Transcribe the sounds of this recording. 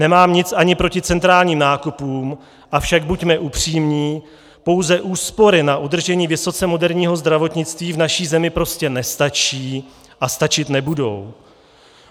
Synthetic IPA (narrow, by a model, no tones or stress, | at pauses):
nɛmaːmɲɪt͡saɲɪpɾo̞cɪt͡sɛnt̪ɾaːlɲiːmnaːkupuːm | ʔafʃaɡ̚bucmɛʔupr̝̥iːmɲiː | po̞wzɛʔuːspo̞ɾɪnaʔudr̩ʒɛɲiːvɪso̞t͡sɛmo̞dɛɾɲiːɦo̞zd̪ɾavo̞t̪ɲɪt͡st̪viːvnaʃiːzɛmɪpɾo̞scɛnɛst̪at͡ʃiː | ʔast̪at͡ʃɪt̪nɛbudo̞̰w